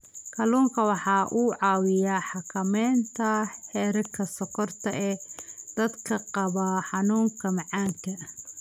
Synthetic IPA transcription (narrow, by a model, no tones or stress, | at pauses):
kʰɐluːŋkʰɐwɑħɑːʔuːʕɑːwɪjaːħɑkʰɐmɛːnt̪ʰɐhɛːɾɐkʰɐsɔkʰɔrt̪ʰɐɛːd̪̥ɐd̪kʰɐqɑβaħɑnuːŋkʰɐmɑʕɑːŋkʰɐ